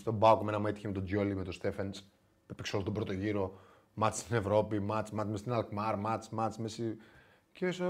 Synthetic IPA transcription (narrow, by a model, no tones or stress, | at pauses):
st̪o̞baukomenɐmuet̪içemet̪od͡ʒolimet̪o̞st̪e̞fens | pepeksolot̪ubɾo̞t̪o̞ʝiɾo̞ | mɐt̪sst̪ine̞vɾo̞pimɐt͡smɐt͡smest̪inɐlkmɐɾmɐt͡smɐt͡smesi | ciɾieso